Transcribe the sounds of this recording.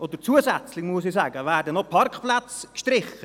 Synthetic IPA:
ʔodəɾt͡suəsɛt͡slɪmuəsisæːɡəvæːrdənopʰɑrkχplat͡skʃtɾɪχə

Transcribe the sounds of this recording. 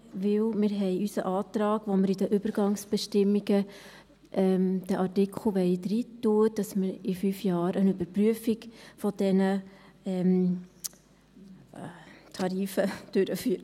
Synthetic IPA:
ʋɪwmɪːɾɦɛɪysəʔɑːtɾɑːɡʋoməɾidəʔʏb̥əɾɡɑŋsb̥ɛʃtɪmːiɡə | ʔɛmd̪̥əʔɑrtɪkʰχl̩ʋɛɪd̪ɾitːuəd̥ɑsməɾifyfjɑːɾənybəɾpryəfiɡfɔd̥ɛnəɛm | t̪ʰɑɾiːfəd̥øɾəfyːɾ

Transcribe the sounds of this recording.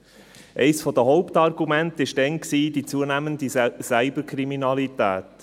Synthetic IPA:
ʔɛ̰ɪsfɔd̪əɦɔʊptɑɾɡumæntɪʃdɛnksiːd̥it͡suənæːmənd̪isæɪbəkʰɾiminɑlitæ̰ːt̪

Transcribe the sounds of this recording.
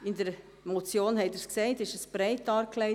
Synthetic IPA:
ɪndəɾ | mot͡sjoːnhɛɪdəɾsksɛɪtɪʃəsb̥ɾɛɪtɑːɾkʰlɛ

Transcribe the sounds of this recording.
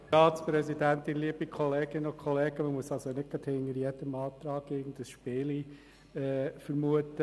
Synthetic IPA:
ɑːtt͡spɾɛsidæntinliəbikʰɔleːɡɪnokʰχɔleːɡ̥əməmuəsɑlsonɪt̚ɡ̥ɾɑd̥hɪŋəɾjɛdəmɑːtɾɑːɡɪɡən̩dəsʃpɪːli | ɛːfəɾmuətə

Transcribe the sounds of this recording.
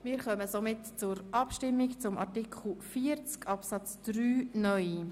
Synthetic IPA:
mɪːɾχœməsomɪtt͡sʊɾɑpʃtɪmːikt͡sʊmʔɑ̰ɾtikʰχl̩fiːəɾt͡skɑpsɑt͡sd̥ɾyːnœʏ

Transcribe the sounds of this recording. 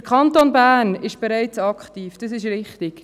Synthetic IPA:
kʰχɑnt̪onbæːɾnɪʃb̥eɾæɪt͡sɑkχtiːfd̥ɑsɪʃɾɪχtɪk

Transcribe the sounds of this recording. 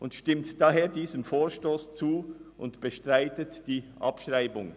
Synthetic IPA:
ʔʊntʃtɪmtd̥aːɦeːɐdiːzəmfoːʃtoːst͡suːʔʊ̰ntb̥əʃtʁaɪtətd̥iːʔɑ̰pʃʁaɪbʊŋ

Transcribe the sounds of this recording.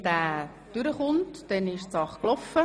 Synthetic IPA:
d̥æː | d̥ʏɾəχʊntd̥ɛnɪʃt͡sɑχklɔfːə

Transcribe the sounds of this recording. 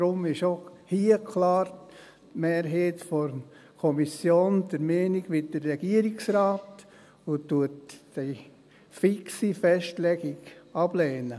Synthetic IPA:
d̥ɾʊmɪʃohiəkʰlɑːɾ | tmeːɾɦeːtfɔɾ | kʰɔmisjoːnd̥əɾmɛːniɡ̥ʋɪdəɾːɛɡ̥iəɾiksraːt | ʊtːuəti | fiksifɛʃtlɛɡ̥ɪɡɑb̥lɛːnə

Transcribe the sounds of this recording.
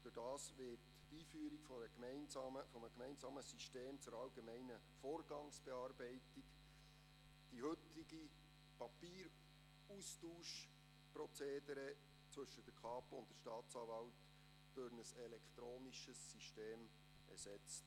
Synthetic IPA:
føɾd̥ɑːsʋɪt | tiːfyːəɾikfɔəkmɛɪnsɑːməfɔməkmɛɪnzɑːməsyʃteːmt͡sʊɾɑlɡemɛɪnə | foːɾɡ̥ɑŋsb̥ɛɑːrbɛɪtik | d̥ihɵtiɡi | pɑpiːɾ | ustuːʃ | pɾɔt͡seːdəɾə | t͡sʋɵʃəd̥əkʰɑːpʊntd̥əʃtɑːt̪t͡sɑːvɑlt | d̥øɾnəsɛlɛkt̪ɾoːniʃəsːiʃteːm | ɛ̰ɾsɛt͡st

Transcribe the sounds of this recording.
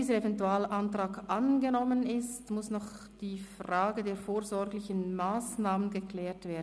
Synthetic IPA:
iːzəɾevɛntuaːlʔantʁ̥aːɡʔanɡənɔmənɪstmʊsnɔχ | d̥iːfraːɡədeːɐfoːɐzɔɡlɪçənmaːsnaːmənɡəkl̥ɛːtv̥eːɐdn

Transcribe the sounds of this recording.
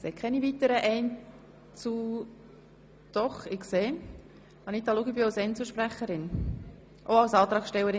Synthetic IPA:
sekʰɛnivit̪əɾəʔɛɪn | t͡su | d̪̥ɔχɪkseː | ɑnit̪ɑluɡəbɪɑlsɛnt͡suʃpɾæχəɾɪn | ʔoɑlsɑːt̪ɾɑːkʃtɛwəɾɪ

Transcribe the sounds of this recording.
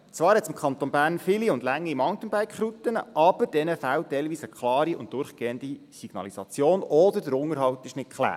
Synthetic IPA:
t͡sʋɑːɾhɛtt͡sɪmkʰχɑnt̪onbæːɾnfɪliʊndlæŋːimɑŋt̪ənbæjkχɾut̪ənə̰ʔɑb̥əɾd̥ɛnəfæwtɛɪlʋiːsəkχlɑːɾiʊ̰nt̚d̥ʊɾχɡ̥eːəndisiɡ̥nɑ̰lisɑt͡sjoːnɔd̪əɾdəɾʊŋəɾɦɑwt̪ɪʃnɪt̚kʰχlæ̰ː

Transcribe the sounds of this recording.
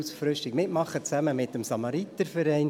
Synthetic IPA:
sfɾʏʃtiɡmɪtmɑχət͡sæməmɪtəmsɑmɑɾit̪əɾfɛɾɛɪn

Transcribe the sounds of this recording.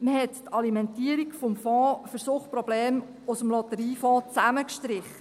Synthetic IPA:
məhɛttɑlimɛntiːəɾikfɔmfɔ̃ːfəɾsoχpɾɔbleːm | ʊsəmlɔt̪əɾiːfɔ̃ːt͡sæməkʃtɾɪχə

